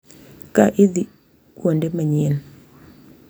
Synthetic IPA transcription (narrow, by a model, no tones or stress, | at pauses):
kaʔiði | kwondɛmaɲen